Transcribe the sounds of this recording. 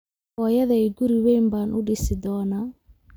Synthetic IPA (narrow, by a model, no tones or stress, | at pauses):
ɔjɐðɛjɡuɾiwɛjmbaːnʔʊɖɪsɪd̪ɔːna